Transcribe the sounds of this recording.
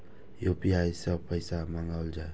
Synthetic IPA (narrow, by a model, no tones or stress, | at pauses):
jopiajsʌb̚pəjsamaŋɡawld͡ʒaj